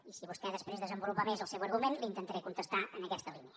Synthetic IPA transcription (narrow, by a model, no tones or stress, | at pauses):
isiβust̪ɛðəspɾezðəzəmbulupamezəlˠsɛwəɾɣumenlint̪ənt̪əɾɛkunt̪əst̪aʔənəkɛst̪əlˠiniə